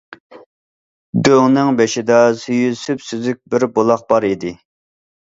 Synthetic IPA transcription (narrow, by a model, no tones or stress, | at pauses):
d̪øŋnɨŋbeʃid̪ɑsyjysypsyzyk̚ʲbɪɾbolˠɑχ̚bɑɾid̪ɪ